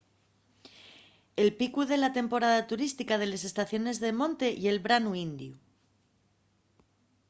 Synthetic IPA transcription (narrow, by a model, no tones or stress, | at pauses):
e̞lpikuðe̞lat̪e̞mpo̞ɾaðat̪uɾist̪ikað̞e̞le̞s̬e̞st̪aθjo̞ne̞zðe̞mõ̞nt̪e̞ʔie̞lβɾanuind̪ju